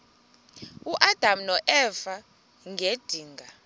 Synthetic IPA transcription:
uʔad̥ʱamnɔʔɛfa | ŋʱed̥ʱiːŋɡʱa

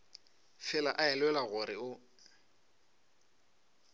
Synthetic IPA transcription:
fɪlaʔaɛlwɛlaɣʊɾɪʊ

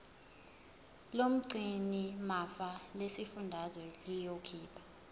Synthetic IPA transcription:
lom̩ǀinimafalesifundʱazwɛlijokʰiːpʰḁ

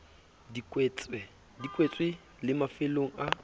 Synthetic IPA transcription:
dikʼwɛt͡sʼɛ | dikʼwet͡sʼwɪ | lɪmafɪloŋ̩a

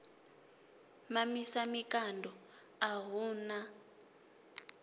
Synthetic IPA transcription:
mamisamikandʱɔ | aɦuːna

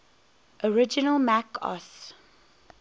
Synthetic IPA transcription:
ʔɔɹɪd͡ʒənəlmækʰɔ̰s

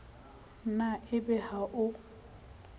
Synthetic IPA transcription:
naʔɪbɛhaʔʊ

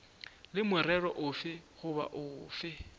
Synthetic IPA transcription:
lɪmwɛrɛrɔʔʊfɪχʊba̰ʔʊːfɪ

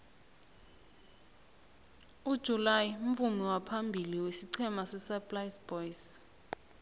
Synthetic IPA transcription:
ud̥ʒ̥ʱulajiuɱ̩fumiwapʰambʱiliwesiǀʰɛmasɛsapʼlajsbɔjs

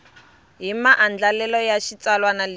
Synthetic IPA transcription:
ɦimaʔand͡ɮalɛlɔjaʃit͡salwanal

